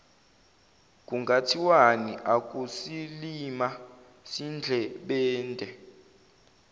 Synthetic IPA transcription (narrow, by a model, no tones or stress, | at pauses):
k̬ʼuŋɡʱatʰiwaniʔak̬ʼusilima | sind͡ɮʱɛɓɛːndʱɛ